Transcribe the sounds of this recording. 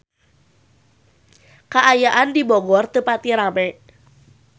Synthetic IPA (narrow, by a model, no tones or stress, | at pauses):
kaʔajaʔandibɔɡɔrt̪əpat̪iɾamɛ